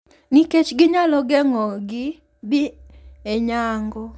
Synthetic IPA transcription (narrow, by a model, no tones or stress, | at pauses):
niket͡ʃɡɪɲalɔɡɛŋɔɡɪ | bieɲaŋɡɔ